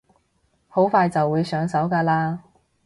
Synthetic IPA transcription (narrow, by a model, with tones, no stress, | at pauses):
ho˨˥wfaː˧jt͡sɐ˨wːuː˨˧jsœː˨˥ŋsɐ˨˥wkaː˧laː˧